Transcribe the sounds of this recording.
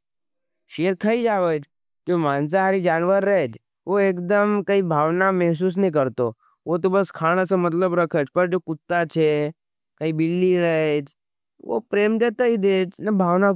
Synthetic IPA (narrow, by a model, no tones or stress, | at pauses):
ʃeəɾkʰəid͡ʒaʋət͡ʃ | d͡ʒomãns̬aaɾid͡ʒanʋəɾːəɦed͡ʒ | ʋoekd̪əmkəibʱaʋnamɛɦs̬us̬nəikəɾt̪o | ʋot̪obəskʰaɽ̃əsə̃mət̪ləbɾəkʰət͡ʃpəɾd͡ʒokʊt̪ːat͡ʃʰe | kəibɪlːiɾəet͡ʃ | ʋo̰pɾemd͡ʒət̪əid̪et͡ʃnəbʱaʋna